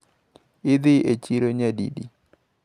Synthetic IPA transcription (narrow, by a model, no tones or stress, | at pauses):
ɪd̪ɪet͡ʃiɾoɲadḭdḭ